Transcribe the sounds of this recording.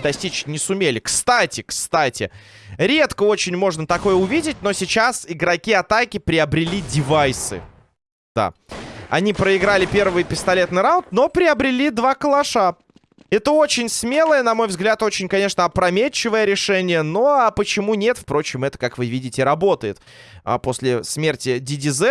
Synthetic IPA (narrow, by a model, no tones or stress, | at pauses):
d̪ɐsʲtʲit͡ɕnʲɪsʊmʲelʲɪkst̪atʲɪkst̪atʲɪ̰ɾʲe̞t̪kəo̞t͡ɕɪnʲmo̞ʐnət̪ɐko̞jəʊvʲidʲɪt̚ʲno̞sʲɪt͡ɕasɪɡɾɐkʲiɐt̪akʲɪpɾʲɪɐbɾʲɪlʲidʲɪvajsɨ̰ | d̪a̰ɐ̰nʲipɾəɪɡɾalʲɪpʲe̞rvɨjpʲɪst̪ɐlʲe̞t̪nɨjɾaʊnt̪no̞pɾʲɪɐbɾʲɪlʲid̪vakəlˠɐʂa | ɛt̪əo̞t͡ɕɪnʲsmʲe̞lˠəjənɐmo̞jvzɡlʲat̪o̞t͡ɕɪnʲkɐnʲe̞ʂnəɐpɾɐmʲet͡ɕːɪvəjəɾʲɪʂɛnʲɪjəno̞apət͡ɕɪmunʲe̞t̪fpɾo̞t͡ɕɪmɛt̪ə̥kakvɨvʲidʲɪtʲɪɾɐbo̞t̪əjɪt̪ | po̞sʲlʲɪsmʲertʲɪdʲɪdʲɪzɛ